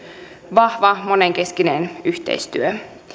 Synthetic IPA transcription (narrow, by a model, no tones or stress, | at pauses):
ʋɑhʋɑmoneŋke̞skinenyçt̪ḛjst̪yø